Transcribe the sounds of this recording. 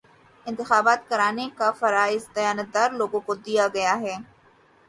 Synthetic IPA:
ɪ̃nt̪ɪxaːbaːt̪kɐɾaːnekafɐɾaːɪzd̪ɐjaːnət̪̚d̪aːɾloːɡõkod̪ijaɡɐjaɦɛː

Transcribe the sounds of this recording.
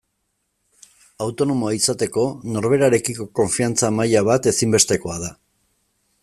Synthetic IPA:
awt̪o̞no̞mo̞aisat̪e̞ko̞no̞ɾβ̞e̞ɾaɾe̞kiko̞ko̞ɱfiant͡samajaβ̞at̪e̞simbe̞st̪e̞ko̞aða

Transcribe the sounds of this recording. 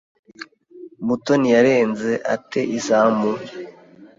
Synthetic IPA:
mutonijaɾe̞ːnze̞ʔa̰tʰe̞ʔisaːmbu

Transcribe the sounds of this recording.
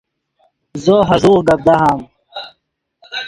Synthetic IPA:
zoːɦɐzuːɾɡɐb̚d̪aɦaːm

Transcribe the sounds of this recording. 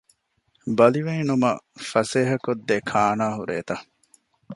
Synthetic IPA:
bɐliʋeːnumɐfɐseːɦɐkod̪ːekʰaːnaːɦuɾḛːt̪ɐ

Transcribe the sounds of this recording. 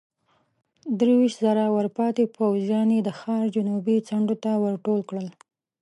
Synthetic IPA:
d̪ɾewiʃt̪zaɾawəɾpɑt̪epawzjɑnjed̪əxɑɾd͡ʒʊnubit͡saɳɖot̪awəɾʈolkɽəl

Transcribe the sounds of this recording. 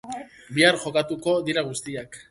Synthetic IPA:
biaɾʝo̞kat̪uko̞ðiɾaɣ̞ust̪iak

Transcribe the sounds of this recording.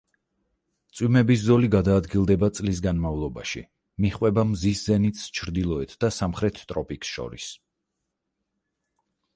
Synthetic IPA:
t̪sʼwimɛbis̬zɔliɡad̪aːd̪ɡilˠd̪ɛbat̪sʼlis̬ɡanmavlˠɔba̰ʃḭ | miχwɛbamziszɛnit̪st͡ʃʰɾd̪ilˠɔɛt̪ʰd̪̥asamχɾɛt̪ʰt̪ʼɾɔpʼiksʃɔ̰ɾis

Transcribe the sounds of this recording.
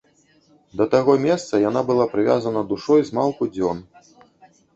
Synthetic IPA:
d̪ɐt̪aɣɔmʲɛst̪sɐjan̪abɨlˠapɾɨvʲa̰zɐnɐd̪uʂɔjzmalˠkud͡zʲɔn

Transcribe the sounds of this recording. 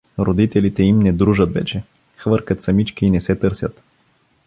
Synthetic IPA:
ɾod̪it̪ɛlit̪ɛimnɛd̪ɾuʒət̪vɛ̰t͡ʃɛ | xvɤɾkət̪sɐmit͡ʃkiːnɛsɛt̪ɤɾsʲjət̪

